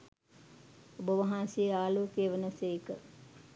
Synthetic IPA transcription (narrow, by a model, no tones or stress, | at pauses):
obəʋɐɦãnsejeaːloːkeːʋənəseikə